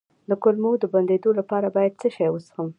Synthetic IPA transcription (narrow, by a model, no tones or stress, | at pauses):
d̪əkʊlmod̪əband̪ed̪olapɑɾabɑjad̪̚t͡səʃɑjwəsxəm